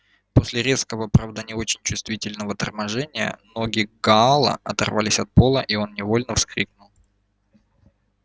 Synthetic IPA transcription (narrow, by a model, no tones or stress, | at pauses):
po̞sʲlʲɪɾʲe̞skəvəpɾavd̪ənʲɪo̞t͡ɕɪnʲt͡ɕʊst̪vʲitʲɪlʲnəvət̪ərmɐʐɛnʲɪjə̰no̞ɡʲɪɡɐalˠə̰ɐt̪ɐ̰rvalʲɪsʲɐt̪̚po̞lˠəʔio̞nnʲɪvo̞lʲnəfskɾʲik̚nʊlˠ